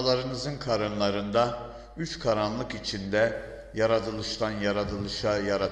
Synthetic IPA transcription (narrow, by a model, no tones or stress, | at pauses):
lˠɑɾɯnɯzɯnkʰaɾɯnlˠɑɾɯnd̪ɑ | yt͡ʃkʰaɾanlˠɯkit͡ʃʰind̪ɛ | jaɾad̪ɯlˠɯʃt̪ɑnjaɾad̪ɯlˠɯʃajaɾa